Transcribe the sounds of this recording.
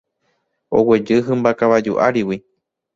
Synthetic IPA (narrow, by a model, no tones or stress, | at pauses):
o̰wed͡ʒɨɦɨ̃mbakaʋad͡ʒṵʔa̰ɾiwi